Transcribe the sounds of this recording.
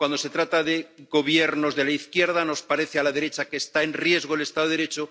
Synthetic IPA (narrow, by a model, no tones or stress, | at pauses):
kwand̪o̞se̞t̪ɾat̪aðe̞ɣo̞β̞jeɾno̞zðe̞laiθkje̞ɾð̞ano̞spaɾe̞θealaðe̞ɾe̞t͡ʃakeːst̪aenrje̞zɣ̞oele̞st̪aðoeɾe̞t͡ʃo